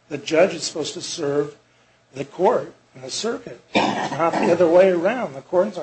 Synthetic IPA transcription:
ðɨd͡ʒʌd͡ʒɨz̥sə̥poʊz̥tʰɨsɜ˞v | ðɨkʰɔɹt̚ | nðɨsɜ˞kɨt̚nət̪̚ðiʌðə˞weɪə˞ãʊ̃nðəkʰɔɹdⁿn̩sə

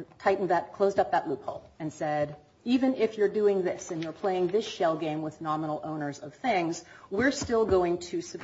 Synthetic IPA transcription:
tʰaɪʔn̩ðɨt̚kʰl̥oʊzdʌp̚ðəʔˡlupʰhoʊlˠɨ̃nsɛɾ | ivɨ̃nɪfjə˞dʉɪ̃ŋðɪsɨ̃njə˞pʰl̥eɪɪ̃ŋðɪsʃɛlˠɡẽɪ̃mwəðnɑmənl̩ˠõ̰ʊ̃nə˞zʌv̥θɪ̃ŋzwɪɹstɪlˠɡoʊɪ̃ŋtʰɨsɨ̥

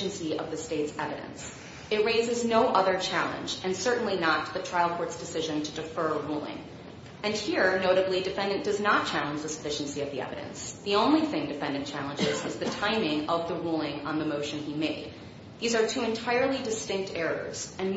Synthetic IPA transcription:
n̩siʌ̰vðɨsteɪtsɛvɨɾɨ̰̃ns | ɨt̚ɹeɪzɨznoʊʔʌðə˞t͡ʃʰælˠə̰̃nd͡ʒɨ̃nsɜ˞ʔn̩linət̪̚ðɨtʰɹ̥aɪlˠkʰɔɹtsd̥ɨsɪʒɨ̃ntʰɨdɨfɜ˞ɹulˠɪ̰̃ŋ | ɨ̃nhiɹnoʊɾɨblidɨfɛ̃ndɨ̃nd̥ʌznət̚t͡ʃʰælˠə̃nd͡ʒðəsə̥fɪʃɨ̃n̩siʌvðiɛ̰vɨɾɨ̰̃nsðiõʊ̃nliθɪ̃ŋdɨfɛ̃ndɨ̃nt͡ʃʰælˠə̃nd͡ʒɪzɨzðɨtʰãɪ̃mɪ̃ŋʌvðəɹulˠɪ̃ŋə̰̃nðɨmoʊʃɨ̃nimeɪd̪̚ | ðizə˞tʰʉɨ̃ntʰaɪə˞lˠidɨstɪ̃ŋk̚tʰɛɹə̰˞z̥ɨ̃n

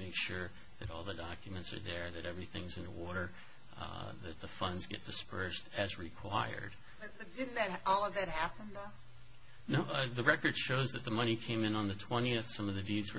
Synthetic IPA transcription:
eɪkʃʊɹ | ðɨɾɔlˠðədɑkjmɨ̃ntsə̰˞ðə˞ðɨɾɛvɹiθɪ̃ŋzɨ̃nɔɹɾə˞ | ðɨt̪̚ðəfʌ̃ndzɡɛ̰t̚d̥ɨspɜ˞stɨzɹikʰw̥aɪə̰˞d̥ | bʌb̥ʌt̚d̥ɪdⁿn̩ðɨt̚ʔɔlˠʌvðɨt̚hæpə̃nðʌ | noʊðɨɹɛkə˞d̥ʃoʊzðɨt̪̚ðəmʌɾ̃ikʰẽɪ̃mɨ̃nə̃nðɨtʰw̥ɛ̃ɾ̃iɨθsʌ̃mʌvðɨdidzwə

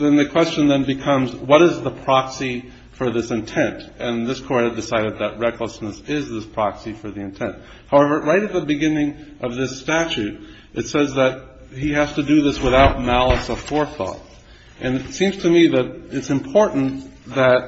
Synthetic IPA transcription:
ðɨ̃nðɨkʰw̥ɛst͡ʃɨ̃nðɨ̃nbɨkʰʌ̃mzwʌɾɨzðəpʰɹ̥ɑksi | fə˞ðɪsɨ̃ntʰɛ̃ntɨ̃nðɪskʰɔɹɾɨdɨsaɪɾɨd̪̚ðɨt̚ɹɛkləsnəsɪzðɪspʰɹ̥ɑksifə˞ðiɨ̃ntʰɛ̃nt̚ | haʊɛvə˞ɹaɪɾɨt̪̚ðɨbɨɡɪ̃nɪ̃ŋʔʌvðɪstæt͡ʃʉɾ | ʔɨtsɛzðɨt̚ | hihæz̥tɨdɨðɪswɨθaʊt̚mælˠəsʌv̥fɔɹθɔ̰t | ʔɨ̃nɨtsĩmz̥tʰɨmiðɨɾɨtsɨ̃mpʰɔɹʔn̩ðɨt̚

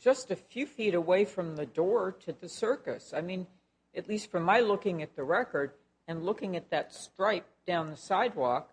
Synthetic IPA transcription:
ʒ̥ʌstɨfjʉfiɾəweɪfɹʌ̃mðɨdɔɹɾɨðɨsɜ˞kɨsaɪmĩn | ɨtˡlistfʌ̃mːaɪlʊkɪ̃ŋɨt̪̚ðɨɹɛkə˞ɾ | ɨ̃nlʊkɪ̃ŋɨt̪̚ðɨtstɹ̥aɪp̚d̥ãʊ̃nðəsaɪd̚wɔk

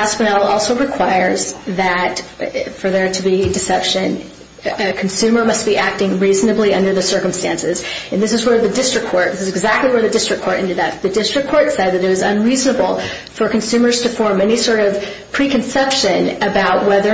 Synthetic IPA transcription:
æspɨnɛlˠɔlˠsoʊɹɨkʰw̥aɪə˞zðɨtfə˞ðə˞ɾɨbidɨsɛpʃɨ̃n | ɨkʰn̩sʉmə˞mʌst̚b̥iʔæk̚tɪ̃ŋɹiznɨbliʌ̃ndə˞ðɨsɜ˞km̩stæ̃nsɪzɨ̃nðɪsɨzwə˞ðɨdɪstɹ̥ɨkʰɔɹt̪̚ðɪsɨzɨɡzæk̚tˡliwə˞ðɨdɪstɹ̥ɨkʰɔɹɾɪ̃ntɨd̪ðɨt̪̚ðɨdɪstɹ̥ɨkʰɔɹtsɛd̪̚ðɨɾɨt̚ʌzə̰̃nɹiznəbl̩ˠ | fə˞kɨ̃n̩sʉ̃mə˞z̥tʰɨfɔɹmɛnisɔɹɾʌv̥ | pʰɹ̥ikɨ̃nsɛpʃɨ̃nɨbaʊt̚wɛðə˞

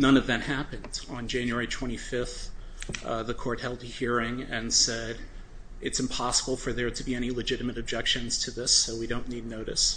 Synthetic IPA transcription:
nʌ̃nʌvðɨ̃mhæpɨ̃ndn̩d͡ʒæ̃njɛɹitʰw̥ɛ̃ɾ̃ifɪfθ | ðɨkʰɔɹt̚hɛlˠdɨhiɹɪ̃ŋɨ̃nsɛɾ | ɨtsɨ̃m̩pʰɑsəbl̩ˠfə˞ðə˞ɾɨbiɛɾ̃ilɨd͡ʒɪɾɨmɨɾɨb̚d͡ʒɛkʃɨ̃nz̥tʰɨðɪsoʊwidõʊ̃nːidⁿnoʊɾɨ̰s

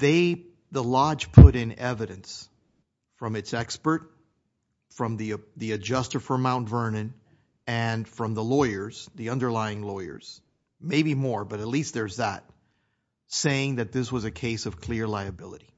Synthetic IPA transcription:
ðeɪ | ðəlɑ̥d͡ʒ̥pʰʊɾɪ̃nɛvɨɾɨ̃ns | fɹʌ̃mɨtsɛkspə˞t̚ | fɹʌ̃mðiðiɨd͡ʒʌstə˞fə˞mãʊ̃ntvɜ̃˞nɨ̃n | ɨ̃nfɹʌ̃mðəlɔɪə˞z̥ðiʌ̃ndə˞laɪɪ̃ŋlɔɪə̰˞z̥ | meɪbimɔɹbʌɾɨtˡlist̪̚ðə˞zðət̚ | seɪɪ̃ŋðɨt̪̚ðɪswʌzɨkʰeɪsʌv̥kʰl̥ɪɹlaɪɨbɪlˠəɾi

